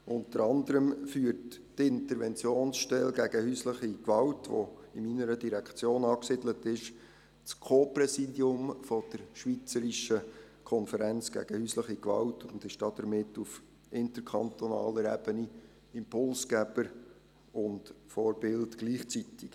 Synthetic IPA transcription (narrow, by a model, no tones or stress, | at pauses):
ʔʊntəɾɑnd̪əɾəmfyːərt | tɪntəɾʋɛnt͡sjoːnsʃtɛlɡæɡəhysləχikʋɑwtʋo̰ɪminəɾədiɾækt͡sjoːnɑːksɪdlətɪʃ | t͡skʰoːprɛsidjʊmfɔd̥əɾʃʋit͡səɾiʃə | kʰɔnfəɾænt͡sɡ̥æ̰ɡ̥əhyːsləχikʋɑ̰wtʰʊndɪʃd̥ɑːd̥̪əɾmɪtːuf | ʔɪntəɾkʰɑntonɑ̰ːləɾɛb̥əni | ɪmpʰʊlsɡæb̥əɾ | ʊntfoːɾb̥ɪltɡ̥liːχt͡sitik